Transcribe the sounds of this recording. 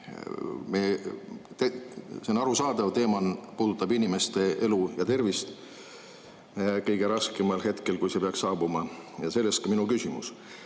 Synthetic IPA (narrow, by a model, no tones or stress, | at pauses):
met̪senːɑɾusɑːd̪ɑvt̪e̞ːmɑnpuːd̪̥ut̪ːˑɑbinʲime̞st̪e̞e̞lujɑt̪e̞rvist̪ | kɤjɡ̥e̞ɾɑskemɑlhe̞t̪ke̞lkujse̞peɑksːɑːbumɑjɑse̞lːest̪kɑminukysʲimṵs